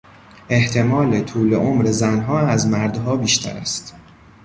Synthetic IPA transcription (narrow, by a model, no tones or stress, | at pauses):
ʔe̞ht̪ʰe̞mɒːlet̪ʰuːleʔomɾe̞zænɦɒːæzmæɾd̪ɦɒːbiːʃt̪ʰæ̰ɾæ̰st̪